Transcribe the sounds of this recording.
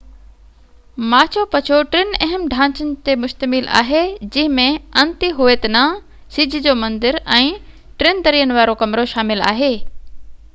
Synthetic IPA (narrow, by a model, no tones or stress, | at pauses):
maːt͡ɕʰopɐt͡ɕʰoʈɾɪnɐɦɪmɖʱãːt͡ɕənɪ̆t̪emʊʃt̪əmɪla̰ːɦed͡ʑɪ̃ɦɪ̃mẽɐ̃nt̪iɦueːt̪nã | sɪd͡ʑʱɪd͡ʑoːmɐ̃nd̪ɪɾɛ̃ː | ʈɾent̪ɐɾiːənɪ̆ʋaːɾokɐmɾoʃaːmɪla̰ːɦeː